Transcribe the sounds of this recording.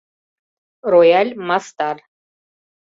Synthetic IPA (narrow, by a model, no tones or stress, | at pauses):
rojalʲmast̪ar